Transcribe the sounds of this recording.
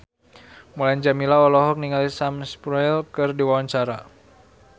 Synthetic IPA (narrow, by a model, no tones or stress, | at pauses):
mulaɲd͡ʒamilaɔlɔɦɔk̚niŋalisamspɾɔɛlkɨrdiwawaɲt͡ʃaɾa